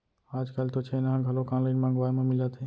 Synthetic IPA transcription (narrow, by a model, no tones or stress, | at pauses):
aːd͡ʒkaːlt̪ot͡ʃʰeːnaãɡʱəlokãːnlaɪnmãːŋɡʋaːmẽmɪlat̪ʰe